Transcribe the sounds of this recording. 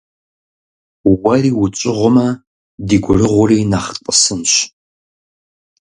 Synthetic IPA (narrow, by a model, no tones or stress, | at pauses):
wɐriːwʊt͡ʃʼɪʁʷʊmɐ | diːɡʷʊrɨʁʷʊriːnaχqʼəsɨnɕ